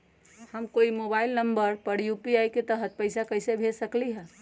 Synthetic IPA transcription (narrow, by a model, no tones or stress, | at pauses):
həmkoimobailnəmbəɾpəɽjupiajket̪əɦət̪̚pəɪsakəɪsebʱesəkliɦɛ̃